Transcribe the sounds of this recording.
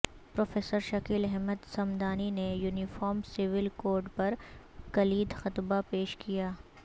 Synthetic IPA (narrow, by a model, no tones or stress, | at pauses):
pɾoːfeːsəɾʃɐkiːlɛɦməd̪sɐmd̪aːninejuːnɪfɔːɾmsɪʋɪlkoːɾɖpɐɾkɐliːd̪xɐt̪bapeːʃkijaː